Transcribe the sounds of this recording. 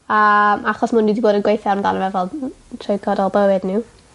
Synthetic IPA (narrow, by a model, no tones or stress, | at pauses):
aaχɔsmʊndidiboːdənɡwejθarmda̰nəvɛvɔlˠtʰrɪjɡʰɔdɔlˠbəwɪdnɪw